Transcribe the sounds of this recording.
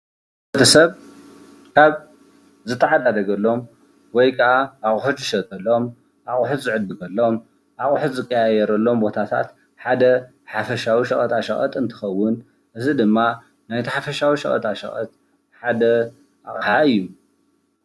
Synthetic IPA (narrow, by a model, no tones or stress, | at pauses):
bot̪ʰɐsɐβ | kʰaβ | zɨt̪ʰːɐʕad̪ad̪ɐɡɐlːo̞m | wɔjkʰɐʔaʔaχʼħut͡ʃɨʃɐt̪ʼɐlːo̞m | ʔaχʼʊħʊt̪zɨʕɨd̪ːɨkʰɐlːo̞m | ʔaχʼʊħʊt̪zɨkʼːɐjajɛɾɐlːo̞mbo̞t̪ʰat̪ʰa̰t̪ | ħad̪ɐ | ħafɐʃawiʃɐχʼɐt̪ʰʼaʃɐxʼɐ̰t̪ʼɨnt̪ʰɨ̥xɐwːʊn | ʔɨzid̪ɨmːa | najt̪ʰiħafɐʃawiʃɐχʼɐ̰t̪ʰaʃɐ̰xʼɐ̰t̪̚ | ħad̪ɐ | ʔa̰χʼħaɨjːu